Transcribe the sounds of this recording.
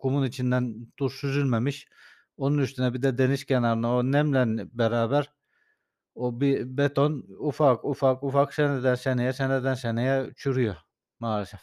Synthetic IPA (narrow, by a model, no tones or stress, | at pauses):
kʰumunit͡ʃʰind̪ænd̪̥uɾsyzylʲmemiʃ | o̞nunyst̪ynɛbid̪ɛd̪e̞niʃcʰenaɾɯnaonɛmlænbɛɾaːbæɾ | obibet̪ʰonufakufakufaksɛnɛd̪ænsenejɛsened̪ænsenejɛt͡ʃʰyɾyjo | maːɾʃɛf